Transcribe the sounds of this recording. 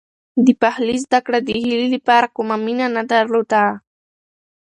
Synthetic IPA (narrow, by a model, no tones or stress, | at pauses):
d̪ipaχlis̬d̪akɾad̪ixild̪ipaɾkʊmamɪnanad̪aɾlʊt̪aː